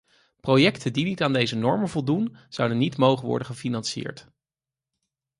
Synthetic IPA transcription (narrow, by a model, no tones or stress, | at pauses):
prowjɛktəndinitaːndejzənɔɹməvɔlˠdunz̥ʌwdənːitmowχənʋɔ̰ɹdəχəfinɑnsɪ̰ːɹt